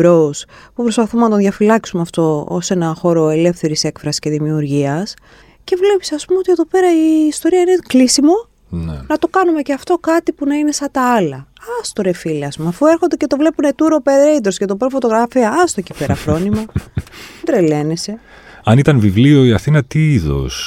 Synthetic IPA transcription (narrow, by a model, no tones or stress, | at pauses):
ɾospupɾo̞spɐθumenɐt̪oðʝɐfilɐksumeɐft̪o̞o̰se̞nɐxo̞ɾo̞e̞le̞fθe̞ɾise̞kfɾɐsisce̞ðimiuɾʝiɐs | ce̞vle̞pi̥sɐspumeo̞t̪ie̞ðo̞pe̞ɾɐiːst̪o̞ɾiɐine̞klisimo̞ | n̰nɐt̪okɐnume̞ceɐft̪o̞kɐt̪ipunɐine̞sɐt̪ɐɐlɐɐst̪o̞ɾe̞fileɐsumɐfueɾxond̪ece̞t̪o̞vle̞pune̞t̪uɾope̞ɾeid̪ɾosce̞t̪o̞pɾofo̞t̪o̞ɣɾɐfiɐɐst̪ocipe̞ɾɐfɾo̞nimɐ | d̪ɾele̞nese̞ | ɐnit̪ɐnvivlio̞iɐθinɐt̪iiðo̞̰s